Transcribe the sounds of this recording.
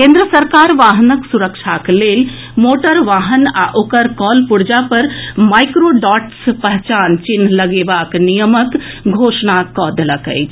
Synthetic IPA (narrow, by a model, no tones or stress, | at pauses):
kẽnd̪ɾəsəɾkaɾʋaɦnəksuɾəkt͡ʃʰaklel | moʈəɾʋaɦəna̰ʔokəɾkɔlpuɽd͡ʒapəɾmajkɾoɖɔʈspəɦt͡ʃant͡ʃin̤ːləɡebaknijəmək | ɡʱosnakɔd̪ləkə̰jt͡ʃʰ